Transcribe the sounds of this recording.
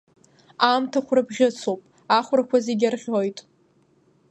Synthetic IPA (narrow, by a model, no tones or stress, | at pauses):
amtʰakʷʰrabʁʲɪt͡sʰowpʼ | aχʷrakʷazeɡʲarʁʲojtʼ